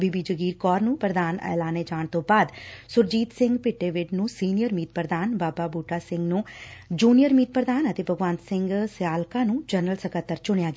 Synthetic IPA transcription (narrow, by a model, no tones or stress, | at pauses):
bibiːd͡ʒəɡiːɾkɔːɾnũːpɾəd̪aːnɛ̰ːlaːned͡ʒaːɳt̪õːbaːd̪sʊɾd͡ʒiːt̪sɪ̃ŋɡpɪʈːeːʋɪʈnũːsiːnijəɾmiːt̪̚pɾəd̪aːnbaːbaːbuːʈaːsɪ̃ŋɡnũːd͡ʒuːnijəɾmiːt̪̚pɾəd̪aːnət̪eːbʱəɡʋãːnt̪sɪ̃ŋɡsɪjaːlkãːnũːd͡ʒənəlsəkət̪ːəɾt͡ʃʊɽejaːɡɪ